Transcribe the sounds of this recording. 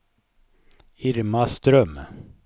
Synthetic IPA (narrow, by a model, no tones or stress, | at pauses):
ɪɾmast̪ɾœm